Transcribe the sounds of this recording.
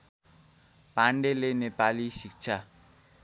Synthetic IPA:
paɳɖelenepalisik̚t͡sʰa

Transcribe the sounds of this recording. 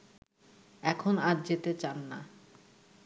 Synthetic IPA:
ɛkʰonaɾd͡ʑet̪et͡ɕanːa

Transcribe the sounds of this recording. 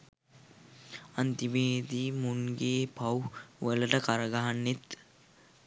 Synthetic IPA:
ɐnt̪iʋeːd̪iːmuŋɡeːpɐwʋələʈəkaɾəɡaɦanːet̪

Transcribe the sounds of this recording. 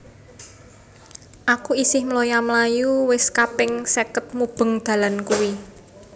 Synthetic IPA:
ʔakuisɪhmlojamlajuwɪskapɪŋsɛkət̪̚mub̥ə̤ŋd̪̥a̤lankuwi

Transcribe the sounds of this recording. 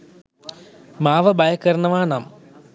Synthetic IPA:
maːʋɐbʱɐjɐkːɐɾɳɐʋaːnaːm

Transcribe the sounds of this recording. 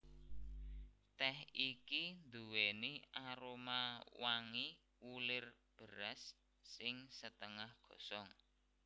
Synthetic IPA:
t̪ɛhikind̪uweniaɾomawaŋi | ulɪr | b̥ə̤ɾasː | ɪŋsət̪əŋahɡ̥ɔ̤sɔŋ

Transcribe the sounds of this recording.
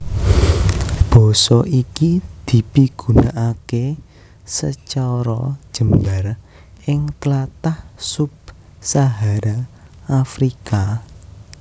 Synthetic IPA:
b̥ɔ̤sɔʔikid̪̥i̤piɡ̥ṳnaʔake | sət͡ʃɔɾɔ̰̥ʒ̥ə̤mbar | ɪŋt̪lat̪ahsʊb̚ | saɦaɾaafɾika

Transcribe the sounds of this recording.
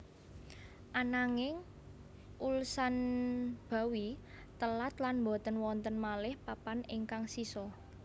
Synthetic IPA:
ʔanaŋɪŋ | ʔulsanb̥a̤wi | t̪əlat̪lanmbɔ̤t̪ənwɔnt̪ənmalɪhpapanɪŋkaŋsisɔ

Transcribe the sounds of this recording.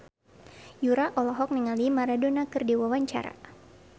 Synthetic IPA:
juɾaʔɔlɔɦɔk̚niŋalimaɾadonakɨrdiwawaɲt͡ʃa̰ɾa̰

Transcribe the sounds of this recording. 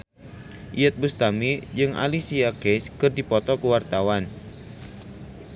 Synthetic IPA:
ʔijət̪̚bust̪amid͡ʒɨŋʔa̰lisiakɛskɨrdipɔt̪ɔkəwart̪awan

